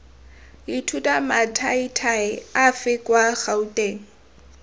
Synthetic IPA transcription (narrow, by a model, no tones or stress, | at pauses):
itʰutʼamatʰaitʰaɪafɪkʼwaχautʼeːŋ̩